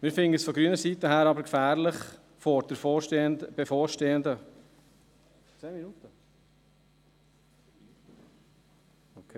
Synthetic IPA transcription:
mɪːɾfɪndəsfɔɡɾyənəɾsit̪əɦæːɾɑbəɾkfæːɾlɪχ | fɔɾd̥ɛfob̥efoːɾʃteːənd̪ə | t͡seːminut̪ə | okʰe

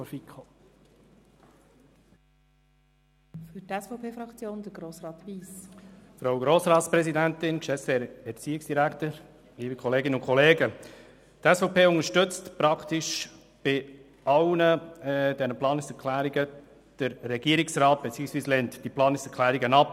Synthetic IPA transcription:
fɔɾfikʰo | fyɾtɛsfɔʊpʰeːfɾɑkt͡sjoːnd̥̪əɾɡ̥ɾoːsɾɑːt̪ʋiːsfɾaʊɡɾoːsɾɑːt̪spɾɛsidæntɪnt͡ʃɛsɛɾɛɾt͡siːɪksd̥iɾækt̪əɾ | liːbikʰɔleːɡɪnəʊnkʰɔleːɡə | tɛsfoʊpʰeːʊnəʃtɵt͡stpɾɑkt̪ɪʃ | b̥ɪ | ɑwnədɛnəplɑːnɪsɛɾkʰlæːɾiɡə | d̥əɾːɛɡ̥iəɾɪksɾɑːt̚b̥ɛt͡siːəksʋiːslɛntd̥iplɑːnɪksɛkʰlæːɾiɡənɑp

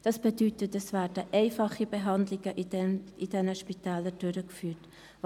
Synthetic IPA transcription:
d̥ɑsb̥edytətɛsvæːɾd̥əʔɛɪfɑχibɛɦɑndlɪɡəʔidɛnəʃpitɛːlədøɾəkfyːt

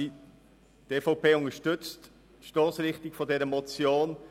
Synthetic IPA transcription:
i | teːfaʊpʰeːʊŋəʃtʏt͡st | ʃtoːsrɪχtɪkfodɛɾəmɔt͡sjoːn

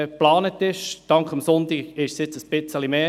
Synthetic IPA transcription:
plɑːnət̪ɪʃd̥ɑŋkχɑmsʊntiɡɪʃsjɪt͡səsb̥ɪt͡səlimeː

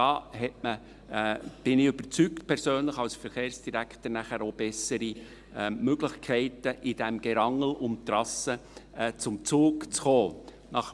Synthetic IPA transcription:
ɑːhɛtmə | b̥ɪnɪʏb̥ət͡syktpʰɛɾsøːnləχɑlsfəɾχeːɾrsd̥iɾæktəɾnæχəɾoːb̥ɛsəɾi | ɛmøɡlɪçkʰɛɪtəʔɪd̥ɛmɡ̥ɛɾɑŋəl̩ʔʊmt̪ɾɑsət͡sʊmt͡suːkt͡sχoː | nɑχ

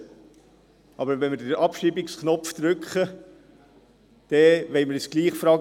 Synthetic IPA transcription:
ɑbəɾʋɛnmədəɾʔɑpʃibɪksknɔpft̪ɾʉkχə | d̪̥ɛʋɛɪməɾəsɡ̥liːχfɾɑː

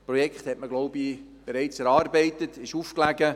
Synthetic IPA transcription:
prɔjɛkχt̪hɛtməɡloʊbi | b̥eɾɛɪt͡sɛɾɑːrbɛɪtətɪʃuːfklæɡə

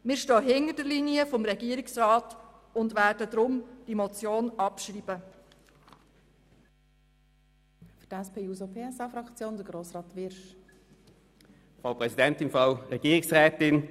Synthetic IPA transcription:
mɪːɾʃtɔːɦɪnədəɾliniəfɔmɾɛɡiːɾɪksrɑːt | ʊndʋæːdəd̪ɾʊmd̥imɔt͡sjoːnɑpʃriːb̥ə | fydɛspʰeːuːzopʰeːɛsɑfɾɑkt͡sjoːnd̪əɡɾoːsɾɑːt̪ʋɪɾʃ | fʁaʊpʁɛsidɛntɪnfʁaʊʁɛɡ̥iːʁɪksʁɛːtɪn

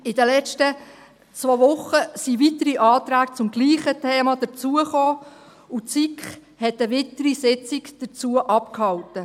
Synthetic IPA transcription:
ɪdəlɛt͡ʃtə | t͡sʋoʋʊχəsiʋit̪əɾiʔɑːt̪ɾæːkt͡sʊmɡliːχətʰeːmɑd̥̪ət͡suəχoː | ut͡sikχ | hɛtəʋɪt̪əɾisɪt͡sikd̥ət͡suəʔɑpkhɑwtə

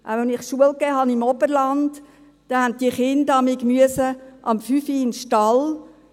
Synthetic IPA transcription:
ʔæɛnɪχʃuəlkɛːɦɑnɪmɔbəɾlɑnd | d̥ɛhænt̚d̥iəχɪndɑmiːkmyəsəʔɑmfyfiɪnʃtɑl

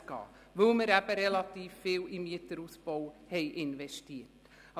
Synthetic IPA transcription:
kɑ̰ː | vɵlməɾæb̥əɾɛlɑtiːfːɪːwimiətəɾusbɔwhɛjʔɪnvɛʃtiət

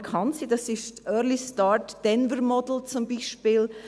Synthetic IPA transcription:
kʰɑnsidɑsɪʃtʔœːɾlistɑːɾtd̥ɛnvəɾmɔdl̩t͡sʊmbiːʃpiːl

